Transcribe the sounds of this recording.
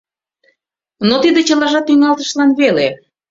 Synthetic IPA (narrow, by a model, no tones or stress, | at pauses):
not̪id̪et͡ɕəlɑʒɑt̪ːyŋɑlt̪əʃlɑnβele